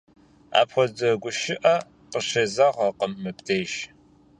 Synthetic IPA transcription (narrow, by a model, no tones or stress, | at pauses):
a̰ːpχʷɔzɐɡʷʊʃɪʔɐ | qəɕɐzaʁɐqəmːɨptʰeːjʃ